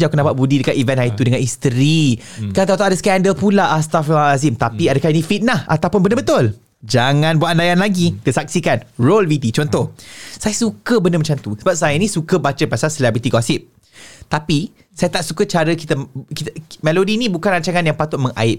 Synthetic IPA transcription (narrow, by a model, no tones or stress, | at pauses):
d͡ʒawkənapaʔbudidəkat̪ivɛ̃nʔajit̪udəŋãnist̪ɾi | kaat̪awt̪aʔadaskɛndəlpulaʔast̪afazimt̪apiadəkainĩfit̪̚naha̰t̪awpʊnbəndəbət̪ʊl | d͡ʒaŋãnbuaʔandajanlaɡidəsak̚sikanrolvit̪it͡ʃɔnt̪ɔhsajasukəbəndəmə̃t͡ʃamt̪usəbap̚sajanĩsukəbat͡ʃəpasalsəlɛbɾit̪iɡɔsɪp̚ | t̪api | sajat̪aʔsukət͡ʃaɾəkit̪əkit̪əmɛlodinĩbukanraɲt͡ʃaŋanjaŋpat̪ʊt̪̚mə̃ŋʔa̰ɪt̚